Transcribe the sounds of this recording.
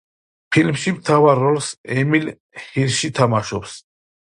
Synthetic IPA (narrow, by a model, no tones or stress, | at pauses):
pʰilmʃimt̪ʰavaɾːɔlsɛmil | hiɾʃit̪ʰamaʃɔps